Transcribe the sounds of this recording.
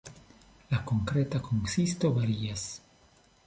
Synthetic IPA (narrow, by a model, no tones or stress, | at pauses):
lako̞ŋkɾe̞takoŋsisto̞vaɾias